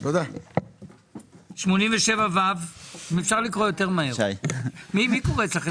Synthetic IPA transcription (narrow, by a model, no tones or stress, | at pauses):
t̪od̪a | ʃmo̞nimveʃe̞vavavmefʃaʁlikʁojo̞t̪eʁmaɦeajmimikoʁeet͡slaχe